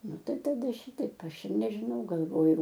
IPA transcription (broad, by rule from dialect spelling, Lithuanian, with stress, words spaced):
ˈnʊ ˈtɐɪ tɐˈdɐ ˈʃʲiːtɐɪp ˈɐʃ ɪr nʲɛʒʲɪˈnɐʊ ɡɐlˠˈʋoːjʊ